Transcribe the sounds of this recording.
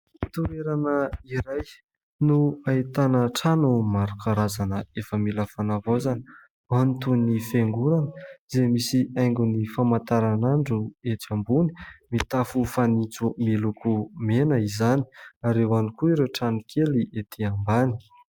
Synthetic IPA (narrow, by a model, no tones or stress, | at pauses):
t̪uɾeɾanəiɾaj | nuait̪anəʈ͡ʂanumaɾukʰaɾazanəefəmilafanavozanə | ant̪unnifeŋɡunanəzemisiʔajŋɡunifamant̪aɾanaɳɖ͡ʐueʈ͡ʂambuni̥mit̪afufanit͡sumilukʰumenəizani̥aɾewanikuiɾeʈ͡ʂanukʰeliʔet̪ʰiambani̥